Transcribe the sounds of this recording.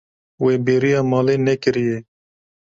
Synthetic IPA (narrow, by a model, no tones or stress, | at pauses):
weːbeːɾijɑːmɑːleːnɛkɨɾije